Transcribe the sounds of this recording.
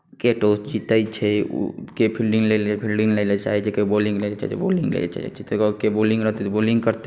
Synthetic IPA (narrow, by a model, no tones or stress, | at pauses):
keʈoːst͡ʃit̪ait͡ʃʰɛ̰kepʰilɖɪ̃ŋɡlelepʰilɖɪ̃ŋleːlet͡ʃa̰ɦet͡ʃʰekebolɪ̃ŋɡleet͡ʃa̰t͡ʃḛboːlɪ̃ŋɡlḛt͡ʃa̰t͡ʃʰet̪oɡkeboːlɪ̃ŋɡɾəɦt̪et̪oboːlɪ̃ŋɡkəɾt̪e